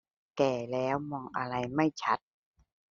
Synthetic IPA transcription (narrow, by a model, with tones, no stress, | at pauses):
kɛː˧˩lɛː˦˥wmɔː˧˩ŋʔa˧ɾa˧jma˥˩jt͡ɕʰa˦˥t̪̚